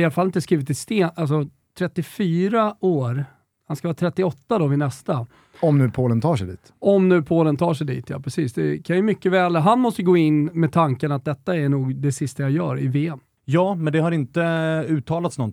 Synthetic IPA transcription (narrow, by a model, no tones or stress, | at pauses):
ɪalafalːɪt̪əskɾiːvɪt̪ɪst̪eːnals̬ɔ | t̪ʰɾɛt̪ːɪfyːɾaoːɾ | hanskavɑːt̪ʰɾɛt̪ːɪɔt̪ːad̪ɔvɪnɛst̪a | ɔmnʉ̟ːpʰoːlənt̪ʰɑːʂɛjd̪ḭːt̪ɔmnʉ̟ːpʰoːlənt̪ʰɑːʂɛjd̪ḭːt̪ʰjɑ̰ːpʰɾɛsiːsd̪ɛkʰanjɵmʏkːəvɛːlɦanmɔst̪əjəɡoːɪnːmɛt̪ʰaŋkənat̪̚d̪ɛt̪ːaæɳuːɡd̪ɛsɪst̪ajajœ̰ːɾɪ̰veːɛm | jɑːmɛnd̪ɛhaɾɪnt̪əʉ̟ːt̪ʰɑːlat̪snɔn